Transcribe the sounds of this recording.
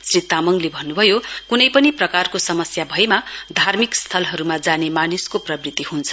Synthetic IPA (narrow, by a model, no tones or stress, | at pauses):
srit̪amʌŋlebʱʌnːubʱʌjokunʌjpʌniprʌkarkosʌmʌsjabʱʌemad̪ʱarmikst̪ʰʌlɦʌɾumad͡zanemaniskoprʌbrit̪ihunt͡sʰʌ